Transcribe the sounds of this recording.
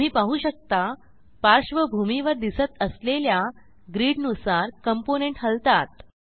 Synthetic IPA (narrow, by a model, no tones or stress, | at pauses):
m̤iːpaɦuːɕək̚t̪a | paɾɕʋəbʱumiʋəɾd̪isət̪əslelja | ɡɾiːɽnusaɾkəmponeɳʈɦəlt̪at̪̚